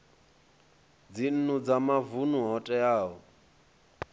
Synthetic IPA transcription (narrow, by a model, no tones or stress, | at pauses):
d͡zin̩nud͡zamavunuɦɔtʼɛaːɦɔ